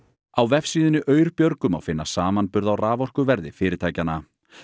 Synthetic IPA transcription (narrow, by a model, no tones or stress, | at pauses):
awvɛfsiːðɪnɪʔœːɥɾpjœɾkʏma̰wfɪnːasaːmanpʏɾðawraːvɔr̥kʏvɛɾðɪfɪːɾɪt̪ʰaːjcanːa